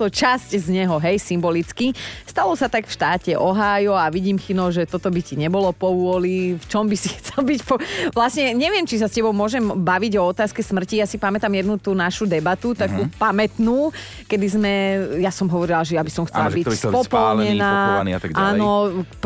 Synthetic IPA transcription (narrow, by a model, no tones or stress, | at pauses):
t̪ɔt͡ʃasczɲɛɦɔɦɛjsimbɔlit͡skist̪alɔsat̪akfʃt̪aːcɛʔɔɦaːjɔaʋiɟiːmxinɔʒɛt̪ɔt̪ɔbiciɲɛbɔlɔpɔʋʊɔlift͡ʃɔmbisixt͡sɛlbicpɔʋlasɲɛɲɛʋɪɛmt͡ʃisascɛbɔʊmʊɔʒɛmbaʋiɟɔɔt̪aːskɛsmr̩cijasipamɛt̪amjɛd̪nut̪uːnaʃud̪ɛbat̪ut̪akupamɛt̪nuː | kɛd̪izmɛjasɔmɦɔʋɔɾilaʒɛjabisɔmxt͡sɛlabiɛpɔpɔllɲɛnaːɔniat̪aɡʔanɔ